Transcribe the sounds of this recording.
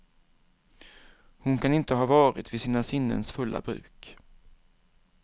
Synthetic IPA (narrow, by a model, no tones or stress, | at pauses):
hʊnkʰanɪnt̪əɦɑːvɑːɾɪt̪vɪsiːnasɪnːə̰nsfɵlːʔa̰bɾʉ̟̰ːk